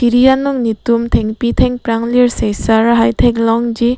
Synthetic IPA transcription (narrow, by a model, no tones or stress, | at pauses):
iɾijanɯŋnitumtʰeŋpitʰeŋpɾaŋliɾsejsaɾaɦajtʰeŋlɔŋd͡ʒi